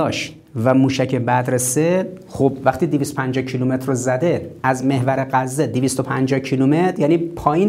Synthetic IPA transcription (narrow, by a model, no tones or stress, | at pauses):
ɒʃt̪ | væmuːʃæcʰebæd̪ɾese | xobvæxt̪iːd̪evist̪opʰænd͡ʒɒcʰilumet̪ʰɾozæd̪e̞æzme̞hvæɾeɣæzːed̪evist̪o̞pʰænd͡ʒɒːhcʰilumet̪ɾjæːniːpʰɒːjin